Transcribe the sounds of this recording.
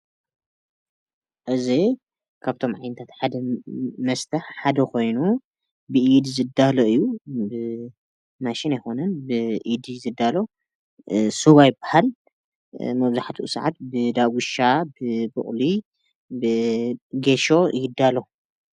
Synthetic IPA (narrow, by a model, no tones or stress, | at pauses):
ʔɨzi | kʰaβt̪ʰo̞mʕajnɐt̪ʰat̪ħad̪ɐmɐst̪ʰɐħħad̪ɐkʰo̞jnu | bɨʔid̪izɨd̪ːaloɨjːubɨ | maʃinajxo̞nɐnbɨʔid̪izɨd̪ːalo̞ | suβajɪbːahal | mɐβzaħt̪ʰiʔsaʕat̪̚bɨd̪aɡʷuʃabɨbɨ̰χʼli | bɨɡeʃo̞jɪɡɨd̪ːalo